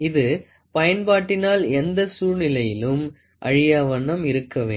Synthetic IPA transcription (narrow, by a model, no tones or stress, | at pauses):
ɪðɯ | pɐjɐnbaːʈːɪnaːlɛnd̪ɐsuːɻnɪlɐjɪlɯm | ʔɐ̰ɻɪjaːʋɐnɐmɪɾɯkːɐʋeː